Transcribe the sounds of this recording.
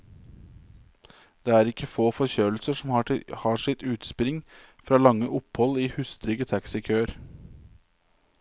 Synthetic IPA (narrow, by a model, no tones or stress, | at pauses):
d̪̥eːæːɾɪkəfoːfɔɾçøːl̩səʂɔmhɑːhɑːʂɪt̪ʉːt̪spɪɾɪŋfɾɑːlɑŋəʔʊphɔliːhʉst̪ɾʏɡət̪ʰæksɪkʰøːɾ